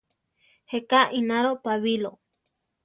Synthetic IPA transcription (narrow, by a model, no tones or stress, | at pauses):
hekaʔinaɾopaβilo